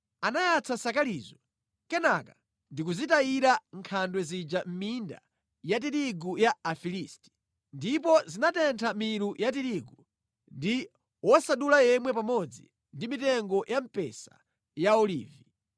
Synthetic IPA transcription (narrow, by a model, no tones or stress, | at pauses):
anajat͡sʰasakalizɔ | kɛnaka | ndik̬uzitaiɾaŋkʰandwɛzid͡ʒam̩minda̰ | jat̬iɾiɡujaːfilisti̥ | ndipɔzinatɛntʰamiɾujat̬iɾiɡu | ndi | wɔsaɗulajɛmwɛpamɔd͡zi | ndimitɛŋɡɔjʔam̩pɛ̰sa̰ | jaɔlḭːvi